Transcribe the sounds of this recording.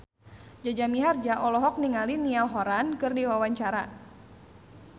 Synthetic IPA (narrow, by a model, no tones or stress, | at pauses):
d͡ʒad͡ʒamiɦard͡ʒaʔɔlɔɦɔk̚niŋalinialɦɔɾankɨrniwawaɲt͡ʃaɾa